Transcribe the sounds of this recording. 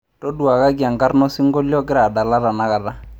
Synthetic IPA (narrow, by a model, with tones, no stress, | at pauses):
tɔ˦du˨a˨ka˦ɡi˨a˨ŋɡa˦ɾnɔ˦sɪ˦ŋɡɔ˦ljɔ˦kɪ˦ɾa˨da˨la˦ɾa˨na˨˦ka˨da˦